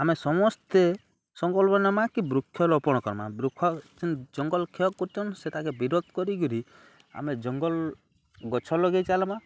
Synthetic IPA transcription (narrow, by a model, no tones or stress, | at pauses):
amesɔmɔst̪e | sɔŋɡɔlbɔnamakibɾukʰːjɔlɔpɔɽ̃ɔkɔɾma̰bɾukʰːɔt͡ʃind͡ʒɔŋɡɔlkʰeɔkːɔɾt͡ʃʰɔnset̪akebiɾod̪̚ʱkɔɾiɡuɾi | a̰med͡ʒɔŋɡɔl | ɡɔt͡ʃʰɔlɔɡejt͡ʃalɔma